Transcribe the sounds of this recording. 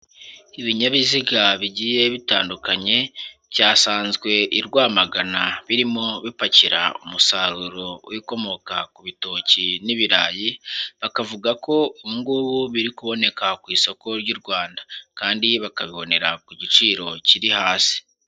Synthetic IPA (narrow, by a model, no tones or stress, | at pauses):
iβiɲaβiziɡaβiɟiːje̞βitaːndukaɲe̞̥ɟaːsaːnzɡwe̞ʔiɾɡwaːmaɡanaβiɾimo̞βipaciɾa̰ṵmusaɾuɾowʔiko̞mo̞kakuβitoːciniβiɾaːjiβakavuɡako̞uŋɡuβuβiɾikuβo̞ne̞kakwiːso̞ko̞ɾɟuɾɡwaːndakaːndiβakaβiβo̞ne̞ɾakuɟit͡ʃiːɾo̞ciɾihaːsi̥